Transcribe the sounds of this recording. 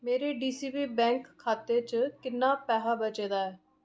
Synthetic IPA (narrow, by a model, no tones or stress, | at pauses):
meːɾeːɖiːsiːbiːbɛ̃ːŋkʰːaːt̪eːt͡ʃəkɪnːaːpɛːɦaːbət͡ʃeːd̪aːɛː